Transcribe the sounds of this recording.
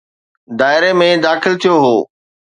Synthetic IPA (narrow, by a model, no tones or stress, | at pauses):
d̪aːɪɾemẽd̪aːxɪlt̪ʰijoɦoː